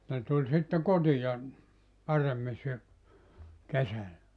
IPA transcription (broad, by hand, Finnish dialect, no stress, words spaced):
ne tulʲ sitːe kotijɑ pɑremːi sy kesælːæ